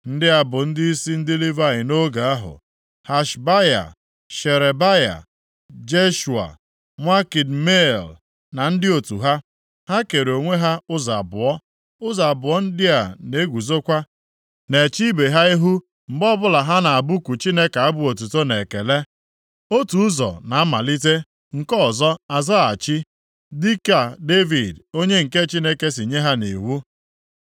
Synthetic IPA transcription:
n̩˦dɪ˦a˨bʊ˨n̩˦dɪ˦i˦si˦n̩˦dɪ˦li˦va˦ɪ˨no˦ɡa˨a˦ɦʊ̰˨ | ha˨ʃba˦ja̰˨ | ʃe˨ɾe˨ba˦ja̰˨ | d͡ʒe˦ʃu˨a̰˨ | ŋʷa˦ki˨dme˦˨l | na˨n̩˦dɪ˦o˨tṵ˨ɦa˦ | ha˦ke˨ɾo˨ŋʷe˦ɦa˦ʊ˦za̰˨bʊ̰˨ɔ˦ | ʊ˦za˨bʊ˨ɔ˦n̩˦dɪ˦a˨ne˦ɡʷu˨zo˦kʷa˦ | ne˨t͡ʃi˦be˨ɦa˦i˦ɦu˦ | m̩˨bɔ˦bʊ˦la˨ɦa˦na˨a˨bu˦ku˨t͡ʃi˦ne˦ka˨a˦bʊ˨o˨tu˨to˦ne˨ke˨le˦ | o˦tu˨˦zɔ̰˨na˨a˦ma̰˨li˦te˦ | ŋ̩˨kɔ˦˨zɔ˦a˨zɔ˦a˨t͡ʃi˦ | di˦ka˨de˦vi˨do˦ɲe˦ŋ̩˨ke˦t͡ʃi˦ne˦ke˦si˨ɲe˦ɦa˦nḭ˨wu˦

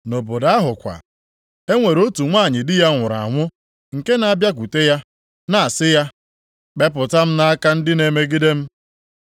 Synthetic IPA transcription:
no˨bo˨da˦ɦʊ˨kʷa̰˨ | e˦ŋʷe˨ɾo˦tu˨ŋʷa˦˨ɲɪ˨dɪ˦ja˦ŋʷʊ˨ɾa̰˨ŋʷʊ˦ | ŋ̩˨ke˦na˨a˨bja˦k̬u˨te˦ja˦ | na˨a˨sɪ˦ja˦ | k͡pe˦p̬ʊ˨ta˦m̩˦na˦a˦ka˦n̩˦dɪ˦ne˨me˦ɡi˦de˦m̩˦

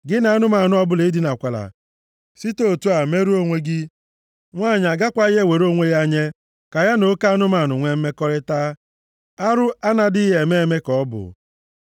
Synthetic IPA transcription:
ɡɪ˦na˨a˦nʊ˦ma˨nʊ˦ɔ˦bʊ˦le˨˦di˦na˨kʷa˨la̰˨ | si˦to˦˨tu˦a˨me˦ɾu˦o˦ŋʷe˦ɡɪ˦ | ŋʷaː˦˨ɲ˨a˨ɡa˦kʷa˦i˦ɦe˦˨we˨ɾo˦ŋʷe˦ja˦ɲe˦ | ka˨ja˦no˦ka˦nʊ˦ma˨nʊ˨ŋʷe˦m̩˦me˦kɔ˦ɾɪ˦taː˦ | a˦ɾʊ˦a˦na˨dɪ˦ɦe˨me˦˨me˦kɔ˨ɔ˦bʊ̰˨

